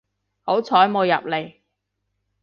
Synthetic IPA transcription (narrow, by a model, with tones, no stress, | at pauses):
ho˨˥wt͡sʰɔː˨˥jmo˨˧jɐ̰˨p̚le˨˩j